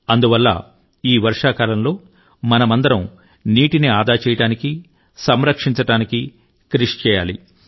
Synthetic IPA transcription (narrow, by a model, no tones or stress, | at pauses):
ɐnd̪uʋɐlːɐ̰ | iːʋɐɾʂaːkaːlɐmlo̞ː | mɐnɐmɐnd̪ɐɾɐm | niːʈiniaːd̪aːt͡ʃɛːjɐɽaːniki | sɐmɾɐkʂiɲt͡ʃɐɽaːniki | kɾiʂt͡ʃɛːja̰ːlḭ